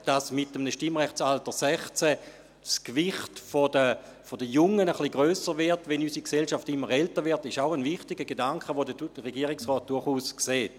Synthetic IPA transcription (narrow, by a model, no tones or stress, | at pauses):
d̥asmɪtəmnəʃtɪmʁɛχt͡saltəsɛχt͡sɛ | skvɪχtfodə | fodəjʊŋːənəχliɡʁøːsəʁʋɛɐtvʋɛnysikselʃaftɪmːəʁɛltəɐʋɪɐtɪʃaʊənvɪχtɪɡəɡedaŋkχəʋodəʁeɡiːɐʁɪksʁɔːt̚d̥ʊɐχuːskseːt